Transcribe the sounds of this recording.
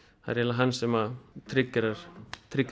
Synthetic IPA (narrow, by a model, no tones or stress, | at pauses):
a̰ðɾɛlaɦanːsɛmat̪ʰɾɪkːɪɾaɾ̥t̪ʰɾɪkː